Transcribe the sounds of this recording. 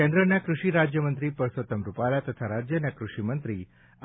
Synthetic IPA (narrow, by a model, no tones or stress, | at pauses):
ẽnd̪ɾənjakɾuʂiːɾad͡ʑjəmənt̪ɾiːpəɾsot̪əmɾupalat̪ət̪ʰaɾad͡ʑjənjakɾuʂimənt̪ɾiː